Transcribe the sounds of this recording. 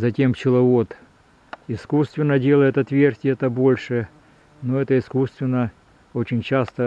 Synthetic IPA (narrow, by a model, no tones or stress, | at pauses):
zɐtʲe̞mt͡ɕɪlˠɐot̪ | ɪskust̪vʲɪnːədʲe̞lˠəjɪt̪ɐt̪vʲertʲɪɛt̪əbo̞lʲʂɨ | noɛt̪əɪskust̪vʲɪnːə | ot͡ɕɪnʲt͡ɕast̪ə